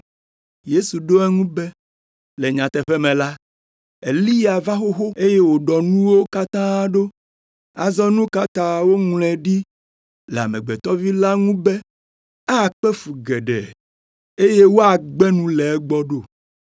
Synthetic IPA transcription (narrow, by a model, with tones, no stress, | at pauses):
je˦su˨ɖo˦ɛ˦ŋũ˦bɛ˦ | le˨ɲã˨t̪ɛ˨ɸɛ˦mɛ̃˨la˦ | e˨li˦ja˨va˦xo˦xo˦e˦je˦wo˨ɖɔ˨nũ˦wo˦ka˦t̪ã˦a˦ɖo˦ | a˨zɔ˦nũ˦ka˦t̪ã˦wo˦ŋlɛ˨ɖi˦ | lɛ˨a̰˨mɛ̃˨ɡ͡bɛ˨t̪ɔ˦vi˦la˦ŋũ˦bɛ˦ | a˦˨k͡pɛ˦fu˨ɡɛ˨ɖɛ̰˨ | e˦je˦wo˦a˨ɡ͡bɛ˦nũ˦lɛ˨ɛ˦ɡ͡bɔ˦ɖo˦˨